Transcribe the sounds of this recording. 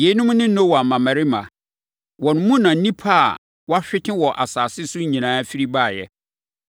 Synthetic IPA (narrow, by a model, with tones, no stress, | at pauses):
je˨˦nʊ̃˦m˦nɪ̃˦n̩˦nõ˦wɔ˨a˨mã˨mã˨ɾɪ˦mã̰˨ | wɔ̃˨n˨˦mũ˦nã˨n̩˦nĩ˦pʰa˦a̰˨ | wɔ˦a˦ɕᶣɪ˦t͡ɕʰɪ̃˦wɔ˨ʔa˨saː˨sɪ˦sʊ˦ɲĩ˨nãː˨˦fi˦ɾi˦baː˦˨jɛ̰˦